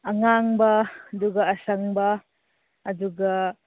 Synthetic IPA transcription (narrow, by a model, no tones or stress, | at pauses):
ɐŋaŋbɐɐduɡɐɐsɐŋbɐ | ɐduɡɐ